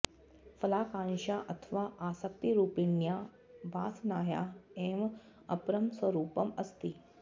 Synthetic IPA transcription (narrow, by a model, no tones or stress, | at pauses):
fɐlaːkãːnʃaːʔɐt̪ʰʋaːʔaːsək̚t̪iɾuːpinja | ʋaːsnaːja̰eːm | ɐpɾɐmsɐɾuːpɐmɐst̪i